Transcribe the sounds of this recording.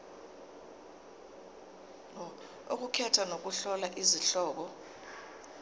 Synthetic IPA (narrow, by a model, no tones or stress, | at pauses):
ok̬ukʰɛtʰanok̬uɬɔlaʔiziɬɔːk̬ɔ